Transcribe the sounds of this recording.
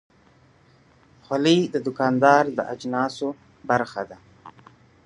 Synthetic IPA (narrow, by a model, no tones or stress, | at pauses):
xwalid̪əd̪ʊkɑːnd̪ɑːɾd̪ə̰ʔad͡ʒnɑːso | baɾxad̪a